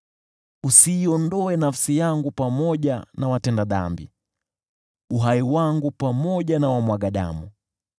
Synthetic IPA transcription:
usiːɔndɔɛnafsijaŋɡupamɔʄanawatɛndaða̰mbḭ | uɦaiwaŋɡupamɔʄanawamwaɠaɗa̰mu

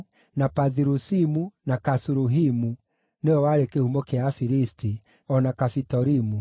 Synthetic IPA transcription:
napaðiɾusimunakasuɾuɦimu | neɔwaɾekehumokeafiɾisti | ɔnakafitɔɾimu

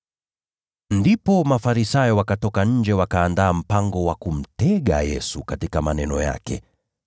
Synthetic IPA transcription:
ndipɔmafaɾisajɔwakatɔkaɲ̩d͡ʒɛwakaːndaːm̩paŋɡɔwakum̩tɛɠa̰jɛsukatikamanɛnɔja̰kɛ̰

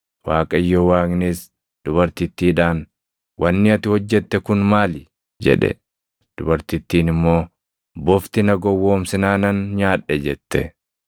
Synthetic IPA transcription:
waːkʼɐjːowaːknis | d̪̥ʊbɐɾt̪ɪt̪ːiːᶑaːn | wɐnːɪɐt̪ɪhɔd͡ʒːɛt̪ːɛkʊnmaːlɪ | d͡ʒɛ̰ᶑɛ̰ | d̪̥ʊbɐɾt̪ɪt̪ːiːnɪmːo̞ː | bɔft̪ɪnɐɡɔwːo̞ːmsɪnaːnɐnɲaːᶑːɛd͡ʒɛt̪ːɛ

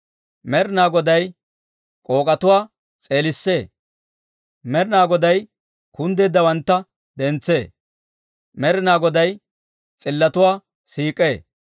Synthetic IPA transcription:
mɛɾɪnaːɡɔd̪ɐj | kʼo̞ːkʼɐt̪ʊwaː | t͡sʼe̞ːlɪsːe̞ː | mɛɾɪnaːɡɔd̪ɐj | kʊnd̪eːd̪ɐwɐnt̪ːɐ | d̪ɛnt͡sːe̞ː | mɛɾɪnaːɡɔd̪ɐj | t͡sʼɪlːɐt̪ʊwaː | siːkʼːeː

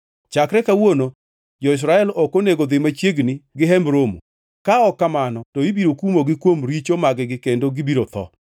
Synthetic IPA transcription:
t͡ʃakɾɛkawono | d͡ʒɔɪs̬ɾaɛlɔkoneɡod̪ɪmat͡ʃjeɡnɪɡɪɦɛmbɾomṵ | kaɔkːamanɔtoibiɾokumoɡɪkwomɾit͡ʃomaɡɛɡɪkendoɡɪbiɾot̪ɔ̰

